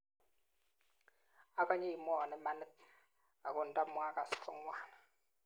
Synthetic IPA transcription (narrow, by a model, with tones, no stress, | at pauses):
a˦kʼa˦ɲɛ˦ji˨mɔ˦˨a˨nɛ˦ma˦nə˦t | a̰˨kʼɔ˨n̩˨tʼa˦mu˨ŋa˦kʼa˨skʰɔ˦ŋwaː˦na˨